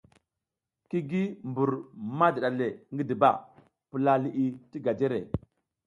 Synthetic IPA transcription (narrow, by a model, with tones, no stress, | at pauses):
ki˦ɡi˦mbu˨ɾma˦di˨ɗa˨le˨ŋɡi˦di˨ba̰˦ | pi˨la˨li˨ʔi˨ti˦ɡa˨d͡ʒe˦ɾḛ˨